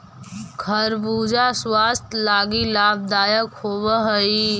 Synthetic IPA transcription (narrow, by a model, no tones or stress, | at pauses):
kʰɐɾbuːd͡ʒaswaːst̪ʰlaːɡilaːb̚d̪aːjəkhoːwəɦəi